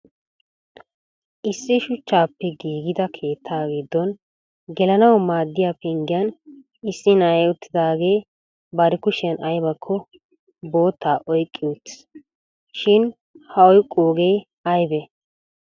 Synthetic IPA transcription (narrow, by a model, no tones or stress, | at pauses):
ʔɪsːɪʃʊt͡ʃːaːpːɛɡiːɡɪd̪ɐkʰe̞ːt̪ʰːaːɡɪd̪ːɔn | ɡɛlɐnɐwmaːd̪ːɪjapɛŋɡɪjɐn | ɪsːɪnɐjʊt̪ʰːɪd̪aːɡe̞ː | bɐɾɪkʊʃɪjɐnɐjbɐkʰːɔ | bo̞ːt̪ʰːaːʔɔjkʼːɪʊt̪ | ʃɪn | hɐɔjkʼːoːɡe̞ː | ɐjbɛ